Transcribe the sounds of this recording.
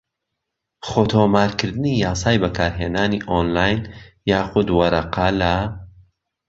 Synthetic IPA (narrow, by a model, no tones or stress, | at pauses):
χoːt̪ʰoːmaːɾkɨɾd̪ɨnijaːsaːjbɐkʰaːɾɦeːnaːniʔonlaːjnjaːxʊd̪wɐɾɐqala